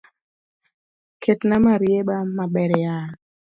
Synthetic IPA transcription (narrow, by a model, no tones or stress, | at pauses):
kʰetnamaɾjeɓamaɓɛɾɛja